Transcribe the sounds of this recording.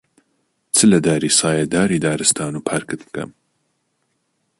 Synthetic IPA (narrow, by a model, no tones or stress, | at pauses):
t͡sʰɨlɐd̪aːɾiːsɑːjɐd̪aːɾiːd̪aːɾɨst̪aːnuːpʰaːɾkɨt̪bkɐ̰m